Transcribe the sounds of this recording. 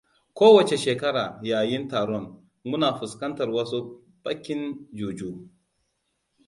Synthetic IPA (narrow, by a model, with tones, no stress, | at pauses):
kʷoː˦wɐ˨t͡ʃe˨ʃeː˨kɐ˦ɽaː˨jaː˨jɪ˦ntaː˨ɽɔ˦˨n | mʊ˦naː˨ɸʊ˨skɐ˦ntɐ˨rwɐ˦su˦ | bʼɐ˦kʲːɪ˦nd͡ʒuː˨d͡ʒuː˦